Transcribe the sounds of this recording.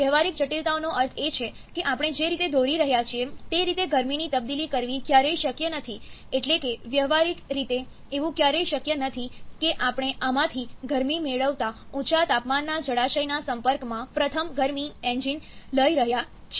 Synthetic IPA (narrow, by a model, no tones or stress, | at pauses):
ʋjəɦʋaɾik̚d͡ʒəʈilt̪aonoʔəɾt̪ʰet͡ʃʰe | keʔapɽ̃ed͡ʒeɾit̪ed̪oɾiɾəɦjat͡ʃʰiet̪eɾit̪eɡəɾminit̪əb̚d̪ilikəɾʋikjaɾəjʃəkjənət̪ʰieʈlekeʋjəɦʋaɾikɾit̪e | eʋũkjaɾəjʃəkjənət̪ʰikeʔapɽ̃eʔamãt̪ʰiɡəɾmimeɭəʋt̪aut͡ʃat̪apmanːad͡ʒəɽaʃəjnasəmpəɾkmãpɾət̪ʰəmɡəɾmiẽnd͡ʒinləiɾəɦja | t͡ʃʰ